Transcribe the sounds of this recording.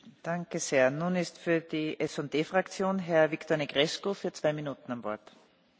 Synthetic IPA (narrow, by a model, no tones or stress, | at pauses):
d̥aŋkəz̥eːɐnuːnɪstfyːɐdiːʔɛsɔnd̥eːfʁ̥akt͡sjoːnɦɛɐviktoːɐniɡʁɛskofyːɐt͡sv̥aɪminuːtn̩amvɔ̰ɐt